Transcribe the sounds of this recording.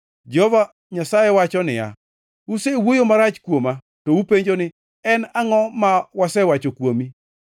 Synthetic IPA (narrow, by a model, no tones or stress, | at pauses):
d͡ʒɔva | ɲasajɛwat͡ʃɔnɪja̰ | usewojomaɾat͡ʃkwoma | tɔupeɲd͡ʒonɪ | ɛnaŋɔmawasɛwat͡ʃokwomi